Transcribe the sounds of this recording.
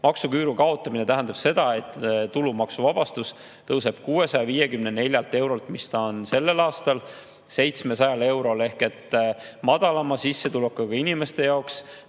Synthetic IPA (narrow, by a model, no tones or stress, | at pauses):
mɑksukyːɾukɑo̞t̪ːˑɑminet̪æɦænd̪̥ɑb̥se̞d̪̥ɑe̞t̪ːulumɑksuvɑb̥ɑst̪us | t̪ɤwse̞b̥kuːe̞sɑjɑviːje̞kymnene̞lʲjɑlt̪e̞wɾo̞lt̪mist̪ɑonse̞lːe̞lɑːst̪ɑl | se̞jt̪sme̞sɑjɑle̞wɾo̞le̞hke̞t̪ːmɑd̪̥ɑlɑmɑsisːe̞t̪ulukːɑɡ̥ɑinime̞st̪e̞jɑoks